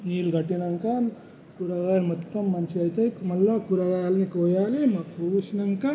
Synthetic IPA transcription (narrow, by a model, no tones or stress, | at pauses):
niːlɡɐʈinɐŋkan | kuɾɐʋaːlmɐt̪ːɐmːɐnsiɐjt̪ɐkmɐlːɐkuɾɐɡaːlnikoːjaːlemɐkuːʃinɐŋka